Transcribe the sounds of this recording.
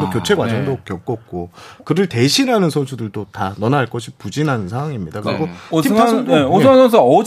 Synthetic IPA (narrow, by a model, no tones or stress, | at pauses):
dokjot͡ɕʰe̞ɡwad͡ʑʌŋdokjʌk͈ʌk̚k͈okɯɾɯɭte̞ɕʰinɦanɯnsʰʌnsʰudɯɭdotanʌnaaɭk͈ʌɕʰipud͡ʑinɦanɯnsʰaŋwaŋimɲidakɯɾiɡoiaeoansʰʌns̬ʰʌ